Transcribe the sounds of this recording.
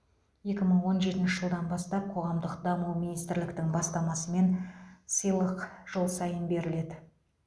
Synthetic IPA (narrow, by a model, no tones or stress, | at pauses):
je̞kʲɪməɴwo̞nʒe̞t̪ɪnʃɪʒəlˠd̪ɑnbɑst̪ɑp̚qʰo̞ʁɑmd̪əqd̪ɑmuwminijst̪ɪɾlɪkt̪ɪŋbɑst̪ɑmɑsəme̞nsəjlˠəqʒ̥olˠsɑjənbe̞ɾɪle̞d̪ɪ